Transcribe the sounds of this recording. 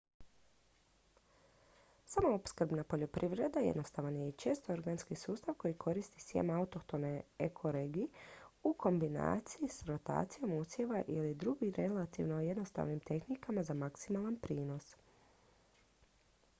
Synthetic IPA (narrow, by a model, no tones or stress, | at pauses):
samoopskr̩ɾbnapo̞ʎo̞pɾiʋɾe̞d̪ajḛd̪no̞st̪aʋanjet͡ʃeːst̪ooɾɡanskisuːst̪aʋko̞jikʰo̞ɾist̪isjḛmaut̪o̞xt̪o̞neekʰo̞ɾeɡiuko̞mbina̰ːt̪sijisɾo̞t̪a̰ːt̪sijo̞musjeʋaʔilid̪ɾuɡiɾe̞lat̪ḭʋnoje̞d̪no̞st̪a̰ʋnimt̪e̞xnikamazamaksimalˠanpɾiːno̞s